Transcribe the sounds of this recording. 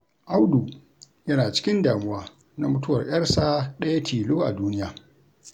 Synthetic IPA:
ʔa˦wduː˨ | jɐ˦naː˨t͡ʃɪ̥˦kʲɪ˦ndaː˨mʊ˦waː˦ | na˨mʊ˦tʊ˦wɐ˨rʔʲʼj̰ɐ˦rsaː˦ɗɐ˦ja˦tʰiː˨loː˦ʔa̰˨duː˦nɪ˦jaː˨

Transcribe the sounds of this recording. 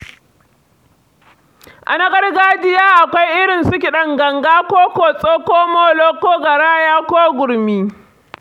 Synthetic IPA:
ʔa̰˨na˦ɡɐ˦ɽɡaː˦d͡ʒɪ˦jaː˦ʔa˨kʷa˦jʔɪ˦ɽɪ˨nsʊ˦k̬ʲi˨ɗɐ˦ŋɡɐ˨ŋɡaː˦kʷoː˦koː˨sʼoː˦koː˦moː˦loː˦koː˦ɡɐ˨ɽaː˦jaː˦kʷoː˦ɡʷʊ˨ɾmiː˦

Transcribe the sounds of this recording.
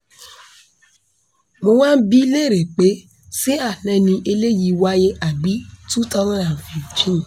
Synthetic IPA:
mo˧wã˦n̩˦bi˦le˦˨ɾe˨k͡pe˨˦ | si˦a˦˨nɛ̃˨˧˦nĩ˧ʔe˧le˦ji˧˦wa˦je˦ʔa˨ɡ͡bi˨˦tu˦tɔ˦lã˦˨ɾa˨fĩ˨t͡ʃĩ˦˨

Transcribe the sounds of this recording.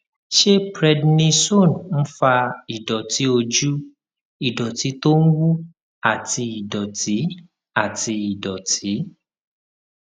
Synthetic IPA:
ʃe˦pɾɛ˧dnĩ˧so˦˨nn̩˦fa˧i˨dɔ˨ti˨˦o˧d͡ʒu˦ | i˦˨dɔ˨ti˨˦to˦n̩˦wu˦ | a˦˨ti˧i˨dɔ˨ti˨˦ | a˦˨ti˧i˨dɔ˨ti˨˦

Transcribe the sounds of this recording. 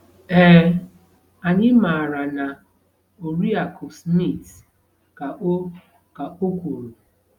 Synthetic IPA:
eː˦ | a˨ɲɪ˦ma˨ɾa˨na˨ | o˨ɾi˦a˨ko˨smi˦˨t | ka˨˦ | ka˨o˦kʷu˨ɾu˨

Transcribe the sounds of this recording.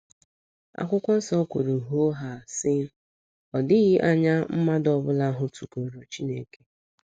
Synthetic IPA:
a̰˨kʷʊ˦kʷɔ˦n̩˦sɔ˦kʷo˨ɾu˨ɦo˦ɦa˨sɪ˦ | ɔ˨dɪ˦ɣɪ˦ʔa˦ɲa˦m̩˦ma˦dɔ˦bʊ˦la˦ɦʊ˦tu˨ko˨ɾo˨t͡ʃi˦ne˦ke˦

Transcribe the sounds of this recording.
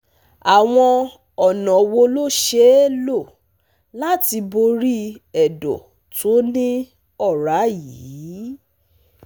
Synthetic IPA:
a˨w̃ɔ̃˧ | ɔ˨nɔ̃˨wo˧lo˦ʃe˦lo˦˨ | la˦ti˧bo˧ɾi˦ɛ˨dɔ̰˨ | to˨˦nĩ˦ | ɔ˦˨ɾa˨˦jiː˨˦

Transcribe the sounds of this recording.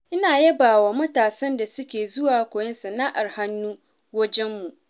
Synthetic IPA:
ʔɪ˦naː˨jɐ˦baː˨waː˨mɐ˦taː˨sɐ˦nda˨sʊ˦kʲeː˨zʊ˦waː˨kʷoː˨jɛ˦nsɐ˨naː˦ʔa˨rha˦nːuː˦ | wɐ˦d͡ʒɛ˦mːu˨ʔ

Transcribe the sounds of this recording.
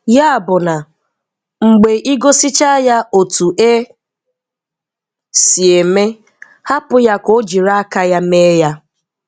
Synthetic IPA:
ja˦a˨bʊ˨na˨ | ŋ͡m̩˨ɡ͡be˨ʔi˦ɡo˦sɪ˦t͡ʃa˦ja˦o˨tu˨ʔe˦ | si˨e˨me˦ | ha˦pʊ˦ja˦ko˦d͡ʒi˨ɾa˦a˦ka˦ja˦me˦ja˦

